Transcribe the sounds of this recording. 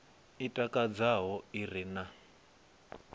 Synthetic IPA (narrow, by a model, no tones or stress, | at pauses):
itʼakʼad͡zaɦɔirina